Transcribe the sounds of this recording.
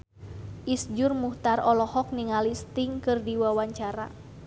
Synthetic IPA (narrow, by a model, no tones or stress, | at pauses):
ʔisd͡ʒʊrmuht̪arɔlɔhɔk̚niŋalist̪iŋkɨrdiwawaɲt͡ʃaɾa̰